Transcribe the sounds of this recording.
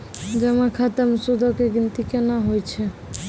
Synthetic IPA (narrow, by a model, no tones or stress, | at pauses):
d͡ʒɛmakʰat̪əmsud̪ʱɔkeɡint̪ikenaɦojt͡ʃʰɛ